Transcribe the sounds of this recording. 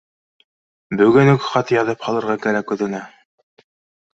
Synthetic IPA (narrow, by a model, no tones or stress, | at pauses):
bɵ̆ɡɵnɵkχɑt̪ɤjɑðɤphɑlˠɤ̆ɾʁɑkæɾækɵðɘ̆næ